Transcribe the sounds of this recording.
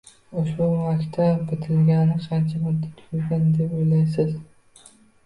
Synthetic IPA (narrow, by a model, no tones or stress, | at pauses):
ʊʃbʊmakʲt̪ʰabɪt̪ʰɪlɡʲanɪqʰɑnt͡ʃʰamʊd̪ːat̪ʰʊ̥jʊlɡʲand̪epojlajs̬ɪz